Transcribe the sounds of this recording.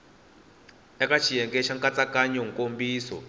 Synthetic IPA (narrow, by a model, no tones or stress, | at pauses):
ɛkʼat͡ʃʰijɛŋkʼɛʃaŋkʼat͡sʼakʼaɲɔŋkʼombiːsɔ̰